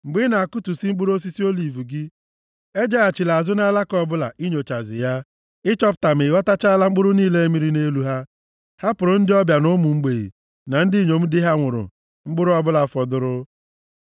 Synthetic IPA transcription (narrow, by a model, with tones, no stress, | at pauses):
ŋ͡m̩˨ɡ͡bi˦na˨a˨ku˦tu˨si˦ŋ͡m̩˦ɡ͡bu˦ɾo˦s̬i˦si˦o˦li˨vu˨ɡɪ˦ | e˦d͡ʒa˦a˨t͡ʃi˨la˨zʊ˦na˦la˦kɔ˦bʊ˦la̰˨ʔi˦ɲo˨t͡ʃa˨zɪ̰˨ja˦ | ɪ˦t͡ʃɔ˦pʊ̥˨ta˨m̩˨e˨ɣɔ˦ta˦t͡ʃa˦a˦la˦ŋ͡m̩˦ɡ͡bʊ˦ɾʊ˦niː˦le˦e˦mi˦ɾi˦ne˦lu˦ɦa˦ | ha˦pʊ˨ɾʊ˦n̩˦dɪ˦ɔ˦bja˨nʊ˦mu˨ŋ͡m̩˦ɡ͡be˨ɣḭ˨ | na˨n̩˦dɪ˦˨ɲo˨m̩˦dɪ˦ɦa˦ŋʷʊ˨ɾʊ̰˨ | ŋ͡m̩˦ɡ͡bʊ˦ɾʊ˦ɔ˦bʊ˦la˨fɔ˨dʊ˨ɾʊ˦